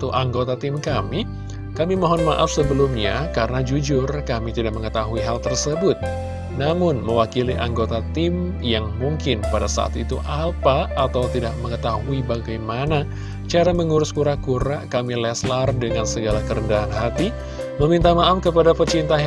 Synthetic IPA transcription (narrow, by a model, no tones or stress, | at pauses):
t̪uʔaŋɡot̪at̪ɪmkami | kamimoɦɔnmaʔafsəbəlumɲakaɾənad͡ʒud͡ʒʊrkamit̪idak̚məŋət̪aɦuiɦalt̪ərsəbʊt̪̚ | namʊnməwakiliʔaŋɡot̪at̪ɪm | jaŋmuŋkɪnpadasa̰a̰t̪ḭt̪uʔapaːt̪awt̪idak̚məŋət̪aɦuibaɡajmana | t͡ʃaɾaməŋuɾʊskuɾakuɾakamilɛslardəŋansəɡalakəɾəndaɦanɦat̪i | məmint̪amaʔafkəpadapərt͡ʃint̪a